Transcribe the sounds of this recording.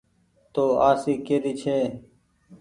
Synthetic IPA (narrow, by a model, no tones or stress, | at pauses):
t̪oːaːsiːkeːɾiːt͡ʃʰeː